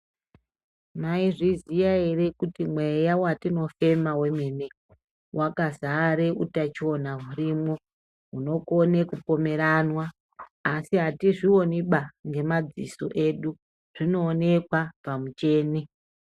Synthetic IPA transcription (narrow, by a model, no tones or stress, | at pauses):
maiʐizijaerekutimwejawatino̞fe̞mawe̞mene | wʔakazaɾeutat͡ʃo̞naɦurimo | uno̞konekupo̞me̞ɾanwaː | siɦatiʐiwo̞niɓaŋɡe̞mad͡ziso̰ʔe̞ɗu | ʐ̥ino̞ːne̞kwapamut͡ʃe̞ːni